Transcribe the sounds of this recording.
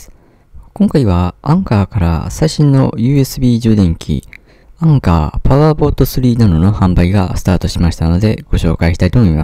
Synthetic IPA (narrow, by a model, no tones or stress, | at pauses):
kõ̞ŋkaiβ̞aãŋkaːkaɾa̰saiɕĩnːo̞jɯ̟ːe̞sɨbʲiːd͡ʑɨːd̪ẽ̞ŋkʲʰḭ | ãŋka̰ːpaβabo̞ːt̪o̞sɨɾʲiːnad̪o̞no̞hãmbaiɡasɨ̥t̪aːt̪o̞ɕimaɕi̥t̪ano̞d̪e̞ɡ̥o̞ɕo̞̰ːkaiɕi̥t̪ait̪o̞mo̞ima